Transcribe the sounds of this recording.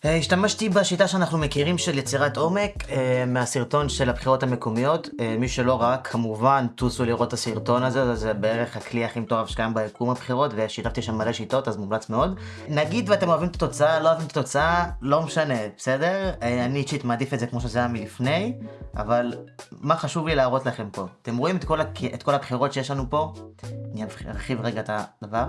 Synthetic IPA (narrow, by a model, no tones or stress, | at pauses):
eiʃtamaʃtibaʃitaʃeanaχnume̞kiʁimʃe̞ljet͡siʁato̞me̞kemeasiʁto̞nʃe̞labχiʁo̞thame̞komijo̞tmiʃelo̞ʁaakʰːamuvant̪usuliʁo̞tːasiʁto̞nazeazebee̞ʁe̞χhakliaχimt̪oʁavʃkajambaekumhabχiʁo̞tve̞ʃit̪aft̪iʃamːaleʃito̞tazmumlat͡sme̞o̞d̪ | naɡid̪vatemoavimet̪ḁt̪o̞t͡saalo̞avimt̪ḁt̪o̞t͡saalo̞meʃane̞bese̞de̞ʁanit͡ʃitmadifetzekmo̞ʃezejamilifne̞jʔa̰valmaχaʃuvlilaːʁo̞tlaχe̞mpo̞at̪e̞mʁoimetkolakʰʔetko̞labχiʁo̞tʃejeʃlanupo̞aniavaʁχivʁeɡat̪ad̥avaʁ